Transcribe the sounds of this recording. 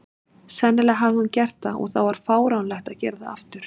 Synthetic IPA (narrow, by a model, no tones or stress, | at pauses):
sɛnːɪlɛɦavðɪhuncɛr̥t̪θaɔ̰ɣθawvaɾ̥faːwɾawnlɛht̪aðcɛɾðaa̰ft̪ʏɾ̥